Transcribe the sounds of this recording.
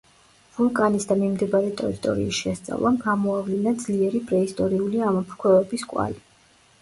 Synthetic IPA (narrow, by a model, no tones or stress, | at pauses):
vulˠkʼanisd̪amimd̪ɛbaɾɛt̪ʼɛ̰ɾit̪ʼɔ̰ɾḭːsʃɛst̪sʼa̰vlˠamɡamɔavlinad̪zliɛɾipʼɾɛist̪ʼɔɾiuliamɔpʰɾkʰwɛvɛbiskʼwa̰li